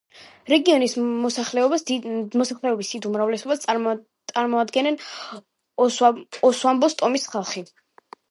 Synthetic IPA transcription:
ɾɛɡiɔnismɔsaχlɛɔbasd̪imɔsaχlɛɔbisd̥̪id̪umɾavlɛsɔbast̪ʼ | t̪sʼaɾmɔad̪ɡɛnɛn | ɔswambɔst̪ʼɔmisχalˠχi

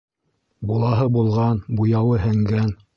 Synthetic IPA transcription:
bulˠɑɦɤbulˠʁɑnbujɑwɤɦɘ̆ŋɡæn

